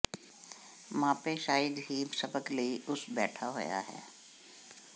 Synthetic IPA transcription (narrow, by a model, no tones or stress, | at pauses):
mãːpeʃaːɪd̪ɦimsɐbəkləiʊsbɛ̰ːʈʰaɦʊ̰ja̰ɦɛ̰ː